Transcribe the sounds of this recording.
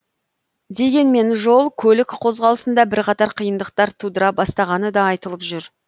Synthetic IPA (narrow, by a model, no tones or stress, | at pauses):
d̪e̞ɡʲe̞nme̞nʒo̞lˠkʲʰɵlɪkqʰo̞zʁɑlˠəsənd̪ɑbɪɾqʰɑt̪ɑɾqʰəjənd̪əq̚t̪ɑɾt̪ʰud̪əɾɑbɑst̪ɑʁɑnəd̪ɑɑjt̪əlˠəpʒʏɾ